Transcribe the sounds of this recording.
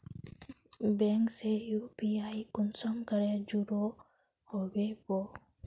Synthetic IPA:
bɛŋksejupiajkunsɔmkəɾed͡ʒuɾo | hobebo

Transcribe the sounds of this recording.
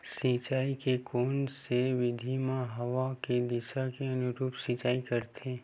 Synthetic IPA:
sit͡ʃaːikekoːnseʋɪd̪ʱimãɦɐʋaked̪ɪsakeɐnʊɾuːpsiːt͡ʃaːikɐɾt̪ʰẽː

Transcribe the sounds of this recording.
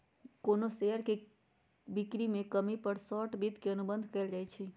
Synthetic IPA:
konoseəɾke | bikɾimekəmipəɾsɔʈbid̪ʱkeənubənd̪ʱkɛɪld͡ʒajt͡ʃʰɛ

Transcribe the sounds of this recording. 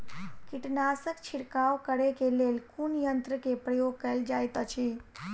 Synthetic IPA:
kiʈnasəkt͡ɕʰiɽkawkəɽekelelkuːnjənt̪ɾəkepɾəjoɡkəld͡ʑajt̪ət͡ɕiː

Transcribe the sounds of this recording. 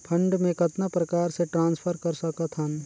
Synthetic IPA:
pʰɐ̃ɳɖmẽkɐt̪napɾɐkaːɾseʈɾãːnspʰəɾkɐɾsɐkat̪ʰan

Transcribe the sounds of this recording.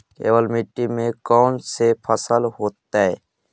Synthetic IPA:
kḛːʋəlmiʈːimẽkɔːnsepʰəsəlɦoːt̪aɛ

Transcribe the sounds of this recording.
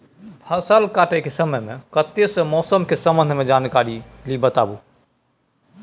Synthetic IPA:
bʰʱəsəlkaːʈekesəməjmẽkət̪esəmɔːsəmkesəmə̃nd̪ʱmẽd͡ʒaːnkaɾi | libət̪a̰bu

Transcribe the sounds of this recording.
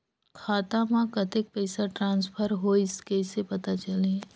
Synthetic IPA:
kʰaːt̪ãmãkɐt̪ɪk̚pɛːsaʈɾãːnspʰəɾɦoɪskesepɐt̪at͡ʃɐlẽ

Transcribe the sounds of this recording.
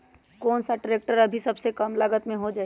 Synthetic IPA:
koːnsaʈɾeːk̚ʈəɾɐbʱisɐbsekəmləɡət̪mẽɦod͡ʒaː

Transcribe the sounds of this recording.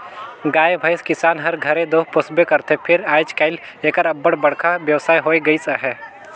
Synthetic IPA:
ɡaːjebʱəjskɪsaːnɦɐɾɡʱɐɾẽd̪oːɦpʊsbekɐɾt̪ʰepʰɪɾaːd͡ʒkaːɪleːkəɾɐbːəɽbɐɽkʰabjəʋsaːjɦoːiɡəisəɦɛː

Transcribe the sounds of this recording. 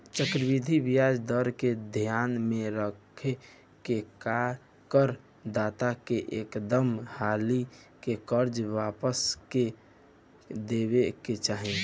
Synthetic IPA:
t͡ʃəkɾbid̪ʱibijad͡ʒd̪əɾked̪ʱijaːnmẽɾəkʰe | keka | kəɾ | d̪at̪akeʔekd̪əmhali | kekəɾd͡ʒʋaːpəske | d̪ebeket͡ʃaɦẽ

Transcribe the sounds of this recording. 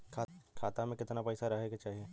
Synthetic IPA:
kʰaːt̪amẽkɪt̪napɛːsaɾɐɦeɡat͡ʃaːɦieː

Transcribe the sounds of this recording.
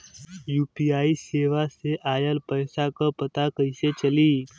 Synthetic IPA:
juːpiaiseʋaseʔajəlpəjsakəpət̪akəjset͡ɕəliː

